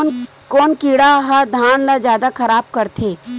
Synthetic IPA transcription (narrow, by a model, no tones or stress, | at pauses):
kɔːnkiɽaɦɐd̪ʱaːnlad͡ʒjaːd̪akʰɐɾaːb̚kɐɾt̪ʰeː